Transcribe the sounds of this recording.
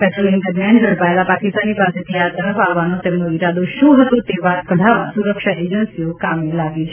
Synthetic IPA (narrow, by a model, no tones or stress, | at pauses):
pɛʈɾolink̪əɾmand͡ʑʱəɽpajlapakist̪aniːpasit̪ijat̪əɾəfaɡʋanot̪ẽməɡiɾad̪oɕuːɦət̪ut̪eʋakəɽʱaʋa̰suɾəkʂaʔed͡ʑənsijokamilaɡiː